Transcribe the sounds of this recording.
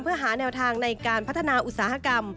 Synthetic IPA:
mpʰɯ˥˩ɐɦaː˩˦nɛː˧wt̪ʰaː˧ŋna˧jkaː˧npʰa˦˥t̪ʰːa˧naː˧ʔu˧˩t̪̚saː˩˦ha˧˥ka˧m

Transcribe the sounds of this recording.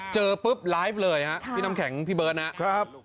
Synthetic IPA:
t͡ɕɤː˧pɯ˦˥p̚laː˦˥jf̚lɤː˧jha˦˥ʔpʰiː˧na˧mkʰɛ˩˦ŋpʰiː˧˩bɤː˧nha˦a˦˥p̚

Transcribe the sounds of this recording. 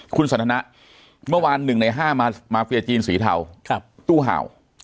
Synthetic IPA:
kʰu˧nsa˨˦nt̪ʰa˧na˦˥ʔ | mɯ˥˩ɐwaː˧nːɯ˨˩ŋna˧jɦaː˥˩˧maː˧fʰi˧ɐt͡ɕiː˧nsiː˩˦t̪ʰa̰˨˩˦w̚ʰt̪uː˥˩ɦa̰ː˨˩˦w

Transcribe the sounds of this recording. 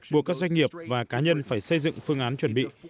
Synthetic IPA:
ɓu˨˩əkːk̚zwa˧ŋ̟ŋi˨˩əp̚vaː˨˩kaː˨˦ɲə˧nfaː˧˩jsə˧jzɨ̰˧˨ŋfɨ˧əŋʔaː˨˦nt͡ɕwə˧˩nɓḭ˧˨

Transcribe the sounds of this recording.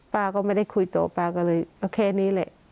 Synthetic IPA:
paː˧kɔː˥˩ma˥˩jda˥˩jkʰu˧jt̪ɔ̰ː˨˦paː˧kɔː˥˩lɤː˧jʔoː˧kʰɛː˧niː˦˥˨lɛ˧˦ʔ

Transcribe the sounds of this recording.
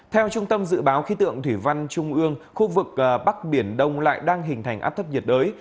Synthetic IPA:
t̪ʰɛ˧wt͡ɕʊ˧ŋ͡mt̪ə˧mzɨ̰˧˨ɓaː˨˦wxi˨˦t̪ɨ̰˧˨əŋt̪ʰwi˧˩va˧nt͡ɕʊ˧ŋ͡mʔɨ˧əŋxu˧vɨ˨˩k̚ʔːɓa˦˥k̚ɓi˧˩ənɗə˧wŋ͡mla̰ː˧˨jɗaː˧ŋɦï˨˩ŋ̟t̪ʰa˨˩jŋʔa̰ː˦˥p̚t̪ʰə˦˥p̚ɲi˨˩t̚ɗəː˨˦j

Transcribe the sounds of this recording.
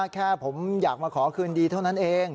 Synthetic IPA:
kʰɛː˥˩pʰo˩˦mjaː˨˩k̚maː˧kʰɔː˩˦kʰɯː˧ndiː˧t̪ʰa˥˩wna˦˥nʔeː˧ŋ

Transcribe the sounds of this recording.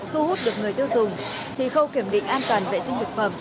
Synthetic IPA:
t̪ʰu˧hu˦˥t̚ɗɨ˨˩ək̚ŋɨ˨˩əjt̪ɨ˧wt̪ʰɨ˨˩əŋ | t̪ʰi˨˩xə˧wki˨˧˩əmɗḭ˧˨ŋ̟ʔaː˧nt̪waː˨˩nvḛ˨˩sï˧ŋ̟lɨ˨˩k̚fə˨˧˩m

